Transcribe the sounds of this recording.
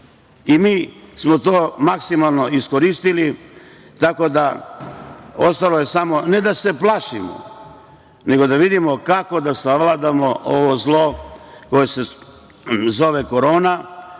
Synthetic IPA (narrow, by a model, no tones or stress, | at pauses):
imiːsmo̞t̪oːmaksimalˠno̞isko̞ɾist̪ili | t̪ako̞d̪a | ost̪aloje̞samo̞ne̞d̪ase̞plˠaʃimo̰ | ne̞ɡo̞d̪aʋid̪imo̞kako̞d̪asaʋlad̪amo̞ʔoʋozlˠoko̞jese̞ | zo̞ʋeko̞ɾo̞ːna